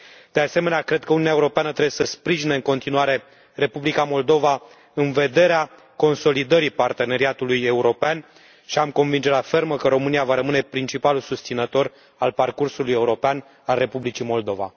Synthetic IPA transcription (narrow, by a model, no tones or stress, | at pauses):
d̪̥e̞ase̞me̞neakɾe̞d̪̚kəununʲaeuɾo̞peanət̪ɾebesəspɾiʒineɨŋko̞nt̪inuaɾe̞ | re̞publikamo̞ld̪o̞va | ɨnve̞d̪e̞ɾea | ko̞nso̞lid̪əɾipart̪e̞ne̞ɾiat̪uluje̞uɾo̞pean | ʃiamko̞nvind͡ʒe̞lafe̞rməkəɾo̞mɨniavaɾəmɨne̞pɾint͡ʃipalulsust̪sinət̪o̞r | alparkursuluje̞uɾo̞pean | alre̞publit͡ʃimo̞ld̪o̞va̰